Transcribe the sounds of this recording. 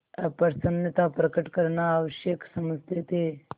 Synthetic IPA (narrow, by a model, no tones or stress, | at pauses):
pɐɾsɐnət̪apɾɐkəʈkɐɾnaːʋəʃjeksɐməst̪et̪e